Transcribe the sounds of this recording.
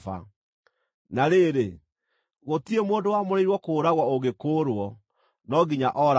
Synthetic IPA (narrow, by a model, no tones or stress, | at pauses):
fa̰ | naɾeɾe | ɣotiemoːndowamoɾeiɾwɔkoːɾaɣwɔoɣekoːɾwɔ | nɔɡiɲaʔɔɾ